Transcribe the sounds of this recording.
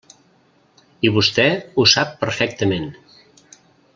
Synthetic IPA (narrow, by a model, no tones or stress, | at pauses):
iβust̪ɛusapːəɾfɛk̚t̪əmen